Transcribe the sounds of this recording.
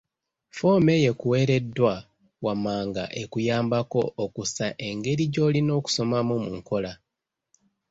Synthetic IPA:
fo̞ːme̞je̞kuwe̞ːɾe̞dːwa | wamaːŋɡa̰ʔe̞kujaːmbako̞ʔːkusaʔe̞ŋɡe̞ɾiɟo̞ːlino̞ːku̥so̞mamumuŋko̞la

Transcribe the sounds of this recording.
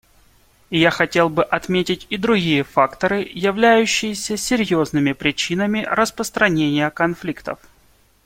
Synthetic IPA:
jaxɐtʲe̞lˠbɨʔɐt̪mʲetʲɪtʲɪd̪ɾʊɡʲijəfakt̪əɾɨjɪvlʲæjʉɕːɪjɪsʲəsʲɪɾʲjo̞znɨmʲɪpɾʲɪt͡ɕinəmʲɪɾəspɾəst̪ɾɐnʲenʲɪjəkɐnflʲikt̪ə̰f

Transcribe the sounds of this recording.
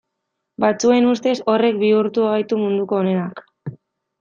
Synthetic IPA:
bat͡sue̞nust̪e̞so̞re̞k̚biuɾt̪uajt̪umund̪uko̞ːne̞nak

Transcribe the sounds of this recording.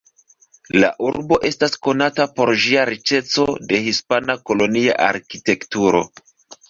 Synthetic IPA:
la̰ʔuɾbo̞ʔe̞stasko̞natapo̞ɾʒiaɾit͡ʃe̞t͡so̞de̞hispanako̞lo̞nia̰ʔa̰ɾkite̞ktuɾo̞̰

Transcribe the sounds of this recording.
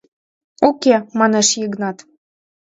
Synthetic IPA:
okʲemɑneʃjəɡnɑt̪

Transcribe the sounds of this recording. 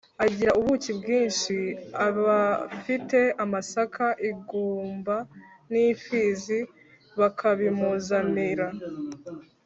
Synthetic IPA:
aɟiɾaʔuβucibɡiːnʃiaβafite̞amasakʰaʔiɡuːmba | nifizi | βakʰaβimuzamiɾa

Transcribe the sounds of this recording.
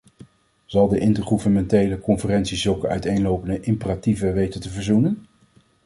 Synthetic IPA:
z̥ɑlˠdəʔɪntəɹχuvənmɛntejləkɔnfərɛntsizɵlˠkəœ̰ɥtejnlowpəndəʔɪmpərativəʋejtətəvəɹzunən

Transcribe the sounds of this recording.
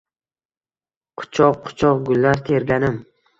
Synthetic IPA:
qʰʊ̥t͡ʃʰɒqqʰʊ̥t͡ʃʰɒqɡʊlːaɾt̪ʰe̞ɾɡʲanɪm

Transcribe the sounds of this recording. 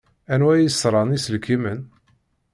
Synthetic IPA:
ænwæjəsɾˤɑnisəlkimən

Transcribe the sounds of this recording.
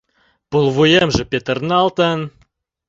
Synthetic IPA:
pulˠvujemʒə̆pʲet̪ə̆rnɑlt̪ən

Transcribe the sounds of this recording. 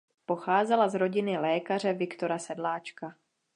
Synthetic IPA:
po̞xaːzɛlazɾo̞ɟɪnɪlɛːkar̝ɛvɪkt̪oɾasɛdlaːt͡ʃka

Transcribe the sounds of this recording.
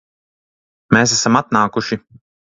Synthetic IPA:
meːsæsamat̪̚naːkuʃi

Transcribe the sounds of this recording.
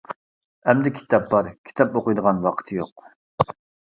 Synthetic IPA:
ɛmd̪ɛkʲʰi̥t̪ʰɑp̚bɑɾkʲʰi̥t̪ʰɑpoqɨjd̪əʁɑnwɑqʰə̥t̪ʰɨjoq

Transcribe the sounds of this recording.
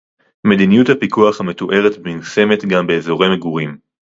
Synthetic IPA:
me̞d̪inijuthapikuaχhame̞t̪oʔe̞ʁetbmilse̞me̞tɡambe̞ːzo̞ʁemeɡuʁim

